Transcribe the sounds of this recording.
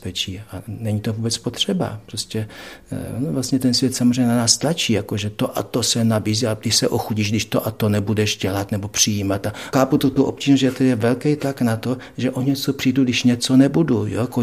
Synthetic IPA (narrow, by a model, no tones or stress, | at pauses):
pɛt͡ʃiːanɛɲit̪ovuːbɛt͡spot̪r̝̥ɛba̰pɾoscʲɛ | onovlast̪ɲɛt̪ɛnsvjɛt̪samozreɛjɲːɛnanaːst̪lat͡ʃiːjakoʒɛt̪oʔa̰t̪osɛnabiːziːaɡdɪʃsɛʔoxuɟiːʒɡdɪʃt̪oʔat̪onɛbudɛʃɟɛlat̪nɛbopr̝̥ɪjiːmat̪axaːput̪ot̪uʔo̰p̚ct͡ʃiːʒnoz̬ʒɛt̪ɛdɪjɛvɛlkɛjt̪laknat̪oʒɛʔoɲɛt͡sopr̥ijduɡdɪʃɲɛt͡so̞nɛbudujoako